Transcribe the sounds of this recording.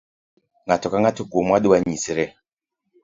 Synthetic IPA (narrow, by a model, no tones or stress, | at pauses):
ŋɡatɔkaŋɡatukomaɗuwaɲisiɾɛ